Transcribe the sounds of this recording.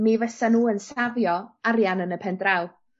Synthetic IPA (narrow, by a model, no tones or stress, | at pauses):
mivəsanuːənsavjɔaɾjanənəpʰɛndraw